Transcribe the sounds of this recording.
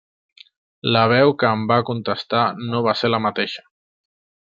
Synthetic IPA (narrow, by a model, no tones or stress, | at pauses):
ləβ̞ɛwkəːmbakunt̪əst̪anoβaseɾləmət̪eʃə̥